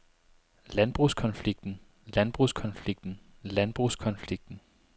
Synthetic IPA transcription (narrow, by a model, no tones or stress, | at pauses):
lænb̥ʁuskʰɒ̽nfliɡ̥̚d̥n̩ | lænb̥ʁuskʰɒ̽nfliɡ̥̚d̥n̩ | lænb̥ʁuskʰɒ̽nfliɡ̥̚d̥n̩